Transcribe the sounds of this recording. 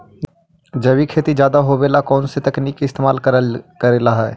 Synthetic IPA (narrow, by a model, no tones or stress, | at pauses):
d͡ʒɐbikʰeːt̪id͡ʒjaːd̪aɦobeːlakɔːnset̪ɐkniːkːɪst̪eːmaːlkɐɾeːlaɦɛː